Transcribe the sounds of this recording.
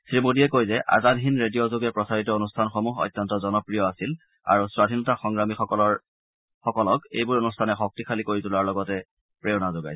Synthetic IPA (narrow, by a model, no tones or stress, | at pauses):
sɹimodijɛkojzɛʔa̰zanɦinɹedijɔzoɡɛpɹɔsaɹitɔonustʰanxomuɦɔ̰jtːɔntɔzɔnɔpɹijɔasil | a̰ɹuswadʱinɔtaxɔŋɹamixɔkɔlɔ | xɔkɔlɔkḛjbʊɹonustʰanɛxɔk̚tixʰalikoɹitulaɹlɔɡɔtɛ | pɹeʊnazoɡa̰j